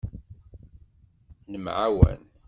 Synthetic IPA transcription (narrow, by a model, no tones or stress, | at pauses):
nəmʕawæ̰n